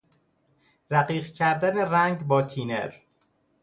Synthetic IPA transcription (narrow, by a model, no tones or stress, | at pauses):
ɾæɢiːɢcʰæɾd̪æneræŋɟbɒːt̪ʰiːneɾ